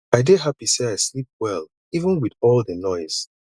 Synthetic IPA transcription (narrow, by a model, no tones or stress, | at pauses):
aɪdeɦapiseaɪslip̚wɛl | ivə̃nwiðɔlˠðənɔɪz̥